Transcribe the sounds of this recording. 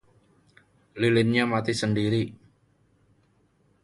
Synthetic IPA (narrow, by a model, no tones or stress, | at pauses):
lilɪnɲamat̪isəndiɾi